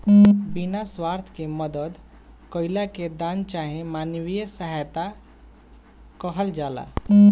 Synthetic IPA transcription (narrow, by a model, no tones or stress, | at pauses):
binaswaɾt̪ʰkeməd̪əd̪ | kəɪlaked̪aːnt͡ʃaɦẽmanwijəsəɦajt̪a | kəɦəld͡ʒaːla̰